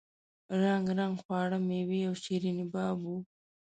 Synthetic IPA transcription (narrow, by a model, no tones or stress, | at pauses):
ɾaŋɡɾaŋɡxwɑːɽəmewiawʃiɾinibaːbu